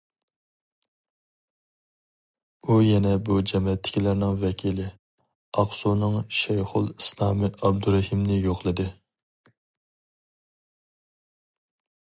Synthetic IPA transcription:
ujɛnɛbud͡ʒɛmɛt̪ʰːɪ̥kʲʰilæɾnɪŋvɛkʲʰilɪ | ɑχsunɨŋʃɛjχʊlˠislˠɑːmɨʔɑb̚d̪uɾɛhimnɪjoχlˠɨd̪ɨ

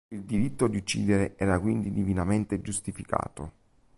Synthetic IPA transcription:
ild̪iɾit̪ːod̪iut͡ʃːḭːd̪eɾeʔɛːɾakwind̪id̪ivinament̪ed͡ʒust̪ifika̰ːt̪o̰

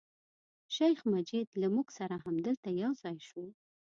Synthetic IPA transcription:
ʃajxmad͡ʒɪd̪lamuɡsaɾaɦamd̪əlt̪ajawzɑjʃwəw

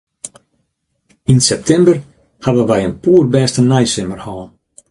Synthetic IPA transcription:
insɛp̚tʰɛmbər | havənʋɛjənpuːrbɛːstənɛjsɪmərhɔːn

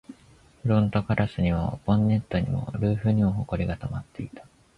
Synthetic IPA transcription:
ɸɯɾõnt̪o̞kaɾʔasɨɲ̟iβabõ̞nːe̞t̪ːo̞ɲ̟ḭmo̞̰ɾɯ̟ːɸɯ̟ɲ̟imoɦo̞ko̞ɾʲiɡat̪omat̪ːe̞it̪ḁ

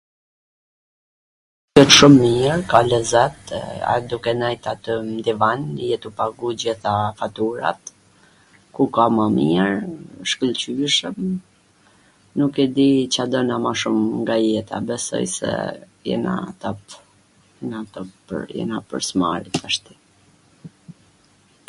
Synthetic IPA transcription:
kɛt̪ʃumːiɾkalɛzɛt̪a̰ɛd̪ukɛnajt̪at̪əmd̪ivanjɛt̪upaɡud͡ʑiθafat̪uɾa̰t̪ | kukamamiɾʃkəlt͡ɕyɛʃəm | nukɛd̪it͡ɕad̪ənamaʃumŋɡajɛt̪a̰bɛsɔ̰jsɛ̰ | jɛ̰na̰t̪ɔp | ɛnat̪ɔpə̰ɾjɛ̰napə̰ɾsma̰ɾit̪aʃt̪i̥

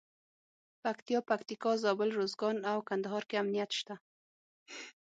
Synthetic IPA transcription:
pakt̪ijɑpakt̪ikɑzɑbɪlɾozɡɑnawkand̪aɦɑɾkeamnijat̪ʃt̪a

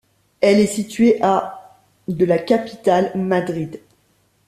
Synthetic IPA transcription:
ɛlɛsit̪ɥeʔa | d̪əlakapi̥t̪almad̪ʁid̪

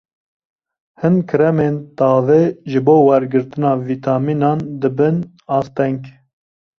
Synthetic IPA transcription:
hɨnkʰɨɾɛmeːnt̪ɑːveːʒɨboːwɛɾɡɨɾt̪ɨnɑːviːt̪ʰɑːminɑːnd̪ɨbɨn | ɑːst̪ɛŋk

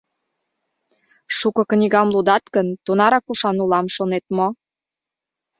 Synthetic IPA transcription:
ʃukɤ̆knʲiɣɑmlud̪ɑt̪kənt̪unɑɾɑkuʃɑnulɑmʃonet̪̚mo

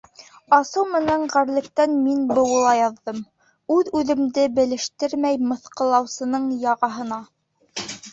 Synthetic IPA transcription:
ɑsɤwmɘ̆næɴʁæɾlɘ̆k̚t̪ænminbɤ̆wɤ̆lˠɑjɑðːɤm | ʉðʉðɘ̆md̪ɘbɘ̆lɘ̆ʃt̪ɘɾmæjmɤ̆θqɤ̆lˠɑwsɤ̆nɤɴjɑʁɑɦɤ̆nɑ

